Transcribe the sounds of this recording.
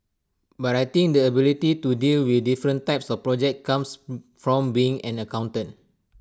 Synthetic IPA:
batajt̪ĩŋk̚dəəbilititudilwiθdifɹə̃ntaɪp̚sɔfpɹɔd͡ʒɛkt̚kãmsfɹɔ̃mbiɪ̃ŋɛ̰̃nəkãw̃ntə̃t̚

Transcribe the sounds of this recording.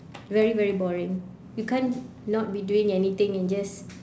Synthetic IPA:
vɛɹivɛɹibɔɹɪ̃ŋ | jukʰɛ̃nː | ɔt̚biduɪ̃ŋɛnit̪ɪ̃ŋɛ̃nd͡ʒas

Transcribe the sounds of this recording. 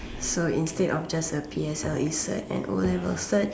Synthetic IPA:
soĩnstedɔfd͡ʒasəpʰiɛsɛlisə̰tɛ̰̃nʔɔ̰lɛvəlsət

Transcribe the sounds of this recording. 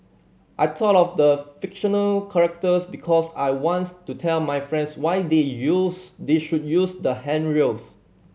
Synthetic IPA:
ʔajtʰɔtɔfdəfikʃɔ̃nəlkʰaɹɛk̚təsbikʰɔsajwɔ̃nttːutʰɛlmajfɹɛ̃ndswajdejusdeʃud̚jusdəhɛ̃nɹos

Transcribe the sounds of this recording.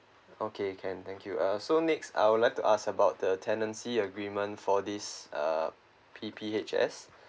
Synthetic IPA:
okʰekʰɛ̃nt̪ɛ̃ŋkʰjuʔʌsonɛksa̰jwudlaɪjk̚tuʔaskəbaʊt̚dətʰɛ̃ndə̃nsiəɡɹĩmə̃ntfɔdisʌ̰ | pʰipʰiet͡ʃɛ̰s

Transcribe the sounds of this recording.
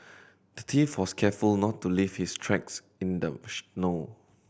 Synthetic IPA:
d̥ətʰifwɔskʰɛfulnɔtːuliv̥histʰɹɛks | ɪ̃ndəʃno

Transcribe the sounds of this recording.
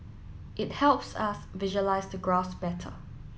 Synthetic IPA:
ʔɪt̚hɛlpsəsvɪʒəlaɪzdəɡɹasb̥ɛtʰə̰

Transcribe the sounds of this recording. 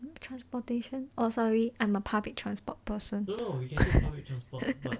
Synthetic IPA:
tʰɹãnspɔteʃə̃nʔɔsɔɹiʔãɪ̃məpʰablik̚tʰɹãnspɔt̚pəsə̃n

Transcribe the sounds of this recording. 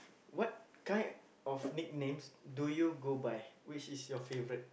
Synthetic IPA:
wɔt̚kãɪ̃n | ɔfnik̚nẽmsdujuɡobajwit͡ʃisjɔfevəɹit̚

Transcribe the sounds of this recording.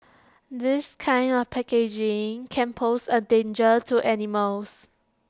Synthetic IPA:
d̪ɪskʰãɪ̃ndɔfpʰɛked͡ʒɪ̃ŋkʰɛ̃npʰosədẽnd͡ʒətʰuʔɛniməls

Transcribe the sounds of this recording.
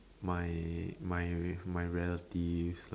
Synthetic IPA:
majmajmajɹɛlətisl

